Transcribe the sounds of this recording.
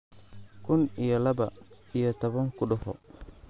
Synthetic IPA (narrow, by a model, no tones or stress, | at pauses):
kʰʊnijɔlɐbɐ̰ijɔt̪ɔβɐŋkʊɗʊhɔ̰